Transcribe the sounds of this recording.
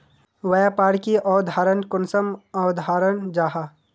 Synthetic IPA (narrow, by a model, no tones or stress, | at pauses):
ʋɐjapaːɾkiʔɔːd̪ʱaːɾənkʊnsəmɔːd̪ʱaːɾənd͡ʒaːɦa